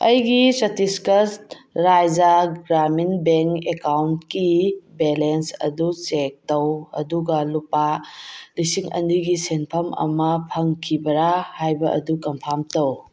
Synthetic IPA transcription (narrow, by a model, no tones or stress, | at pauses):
ɐjɡisɐtiskɐstɾajd͡ʒaɡɾaminbeŋkekawntkibelensɐ̰dut͡ʃek̚tɐwɐ̰duɡɐlupalisiŋɐ̰ndiɡisenpʰɐmɐ̰mɐpʰɐŋkʰibɐɾahajbɐʔɐ̰dukɐmpʰamtɐw